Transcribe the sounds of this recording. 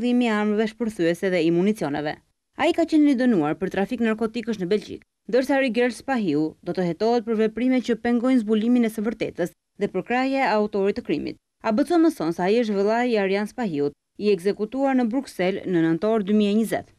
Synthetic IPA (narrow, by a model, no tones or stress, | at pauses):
lˠimiamɾəvɛʃpəɾθyɛsɛðɛimunit͡siɔnɛ̰vɛ̰ | a̰ikat͡ɕɛnnəd̪ənuaɾpəɾt̪ɾafiknaɾkɔt̪ikəʃ̬nəbɛld͡ʒḭk | nd̪əɾsaɾiɡɛɾlspaɦiud̪ɔt̪əɦɛt̪ɔɦɛt̪̚pəɾvɛpɾimɛtt͡ɕəpɛŋɡɔjnzbuliminɛsəvəɾt̪ɛ̰t̪əs | ðɛpəɾkɾajaaut̪ɔɾit̪əkɾimḭt̪̚ | abət͡sɔməsɔnsɛaiəʃ̬t̪vəlˠajiaɾjanspaɦiut̪ | iɛɡzɛkut̪uaɾnəbɾuksɛlnənənt̪ɔɾd̪ymiɛɲəzɛ̰t̪